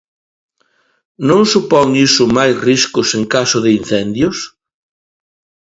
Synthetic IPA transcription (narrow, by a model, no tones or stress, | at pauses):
nõŋsupɔŋisʊmajsriskʊseŋkasʊðɪin̟θɛnd̪jʊs